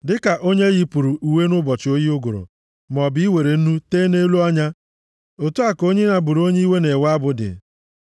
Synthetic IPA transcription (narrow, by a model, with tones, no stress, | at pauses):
dɪ˦ka˨ʔo˦ɲe˦ɣi˦pu˨ɾu˨ʔu˨we˦nʊ˦bɔ˨t͡ʃɪ˨o˦ji˦ʊ˦ɡʊ̰˨ɾʊ̰˨ | m˨ɔ˨bɪ˦i˦we˨ɾe˨n̩˦nu˦teː˦ne˦lu˦ɔ˦ɲa˦ | o˨tu˦a˨ko˦ɲe˦na˨bu˨ɾo˦ɲe˦i˦we˦ne˨wa˦bʊ˨dɪ̰˨